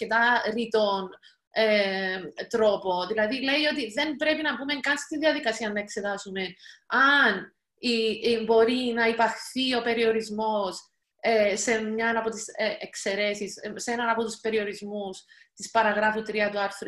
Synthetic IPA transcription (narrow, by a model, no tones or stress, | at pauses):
cet̪ɐɾit̪on | e | t̪ɾo̞po̞ðilɐðile̞io̞t̪iðe̞mbɾe̞pinɐpume̞ŋkɐnst̪iðiɐðikɐsiɐnːɐe̞kse̞t̪ɐsume̞ɐn | ibo̞ɾinɐipɐxθio̞pe̞ɾio̞ɾizmo̞s | esemɲɐnɐpo̞t̪iseekse̞ɾe̞sisːenɐnɐpo̞t̪uspe̞ɾio̞ɾizmus | t̪ispɐɾɐɣɾɐfut̪ɾiɐt̪uɐɾθɾ